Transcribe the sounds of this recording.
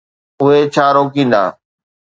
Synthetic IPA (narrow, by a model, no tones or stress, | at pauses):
ʊɦet͡ɕʰaːɾoːkĩːn̆d̪a̰ː